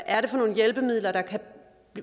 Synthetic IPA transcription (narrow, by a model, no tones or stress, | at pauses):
ʔæɐɾe̝fɒ̽no̝̰ːn̩jelb̥əmið̰ˠlɐd̥ɑ̈kʰæ̥